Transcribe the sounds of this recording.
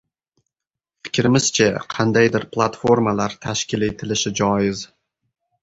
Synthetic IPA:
fɪ̥kʲɾɪmɪz̥t͡ʃʰaqʰɑnd̪ajd̪ɪɾplˠat̪fo̞ɾmalaɾt̪ʰaʃkʲɪle̞t̪ʰɪlɪʃɪd͡ʒɒjɪz

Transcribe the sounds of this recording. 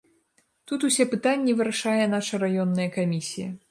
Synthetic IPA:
t̪ut̪usʲɛpɨt̪anʲːivɨɾaʂajɛn̪aʂɐɾajɔnːɐjɐkamʲisʲijɐ

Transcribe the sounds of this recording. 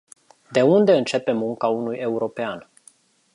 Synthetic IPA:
d̪e̞und̪e̞ɨnt͡ʃe̞pe̞mːuŋkaunuje̞uɾo̞pean

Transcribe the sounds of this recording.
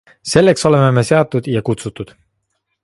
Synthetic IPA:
se̞lːe̞kso̞le̞me̞me̞se̞ɑt̪ːˑud̪̥jɑkut̪sut̪ːˑud̪̥

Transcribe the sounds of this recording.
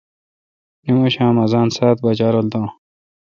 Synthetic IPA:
nimoɕãːmɐzaːnsaːt̪̚bɐd͡ʑaːɾold̪õː

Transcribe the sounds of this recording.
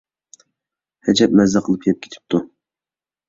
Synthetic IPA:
hɛd͡ʒɛp̚mɛzɛqʰəlˠɨpjɛp̚kʲe̥t̪ʰɪ̥p̚t̪ʰu

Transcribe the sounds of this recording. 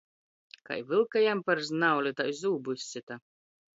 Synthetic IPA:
ka̰jvɨlˠkajampaɾznawlʲit̪ajzuːbusʲt͡sʲit̪a

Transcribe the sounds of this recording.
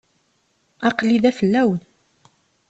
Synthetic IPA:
ɑqliðæfəlːæwən

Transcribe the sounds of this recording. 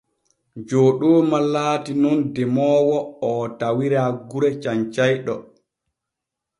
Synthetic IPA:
d͡ʒoːɗoːmalaːtinɔndɛmɔːwɔɔtawiɾaɡuɾɛt͡ʃaɲt͡ʃajɗɔ̰

